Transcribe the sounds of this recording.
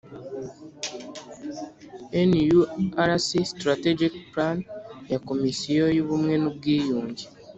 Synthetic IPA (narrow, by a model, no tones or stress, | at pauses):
enijuaɾasistɾated͡ʒikplanjakomisijojuβumwe̞nuβɡiːjuːɲɟi